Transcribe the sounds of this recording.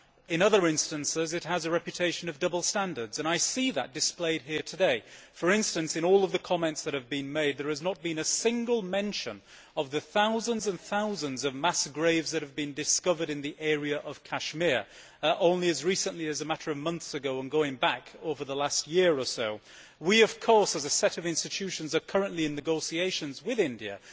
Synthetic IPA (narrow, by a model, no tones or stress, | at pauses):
ɨ̃nʌðə˞ɪ̃nstɨ̃nsɪzɨt̚ɦəzɨɹɛpjɨtʰeɪʃɨ̃nʌvdʌbl̩ˠstæ̃ndə˞dz̥ɨ̃naɪsiðə̰t̚d̥ɨspleɪd̚ɦiɹtʰɨdeɪfə˞ɪ̃nstɨ̃nsɨ̃ɾ̃nɔlˠʌvðɨkʰɑmɛ̃ntsðɨt̚hɨvbɨ̃nmeɪd̪̚ðə˞ɨznət̚b̥ɨ̃nɨsɪ̃ŋɡəl̩ˠmɛ̃nʃɨ̰̃n | ʌvðɨθaʊzə̃nzɨ̃nθaʊzə̃nzʌvmæsɡ̥ɹeɪvzðɨt̚hɨvbɨ̃ndɨskʌvə˞ɾɨ̃nðiʔɛɹiɨʔʌv̥kʰæʃmɪɹ | ʔõʊ̃nliɨzɹisə̃nʔliɨzɨmaɾə˞ʌvmʌ̃nθsɨɡoʊə̃nɡoʊɪ̃ŋbakoʊvə˞ðəlast̚jɪɹə˞soʊ | wiʌv̥kʰɔɹsɨzɨsɛɾʌvɪ̃nstɨtʰʉʃɨ̃nzə˞kʰʌɹə̃nʔliɨ̃nːɨɡoʊsieɪʃɨ̃nzwɪðɪ̃ndiɨ̰